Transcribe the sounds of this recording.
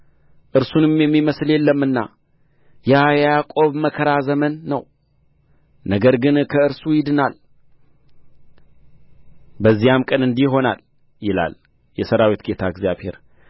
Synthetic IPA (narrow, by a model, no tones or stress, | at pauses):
ʔɨɾsunɨmjɛmːiməsljɛlːəmːɨnːa̰ | jajakʼo̞βməkʰəɾazəmənːəw | nəɡəɾɡɨnkʰəɨɾsujɪd̪ɨnal | bəzːijamkʼənɨnd̪iɦo̞na̰l | jɪla̰l | jɛsəɾawit̪ɡe̞t̪ʰaɨɡzjaβhe̞̰ɾ